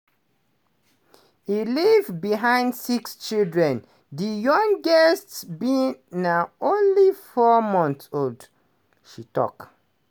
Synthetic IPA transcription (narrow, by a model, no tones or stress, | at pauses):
ilivbiɦãɪ̃ndsikst͡ʃildɹɛ̃n | dijɔ̃ŋɡɛstsbĩnnaʊõnlifɔmɔ̃ntsold | ʃitɔ̰k